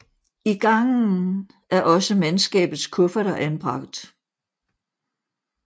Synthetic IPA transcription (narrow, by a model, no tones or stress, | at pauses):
iɡ̥ɑ̈ŋn̩ | ʔæɐʔɒ̽səmensɡ̥ɛ̰ːb̥ð̩ˠskʰɔ̽fɐɾɐʔænb̥ʁɑ̈ɡ̥̚d̥